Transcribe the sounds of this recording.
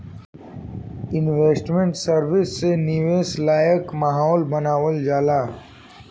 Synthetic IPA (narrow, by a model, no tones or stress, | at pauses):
ɪnʋeːsʈmẽɳʈsəɾʋɪsːenɪʋeːslaːjəkmaɦɔːlbɐnaːwəld͡ʒaːlaː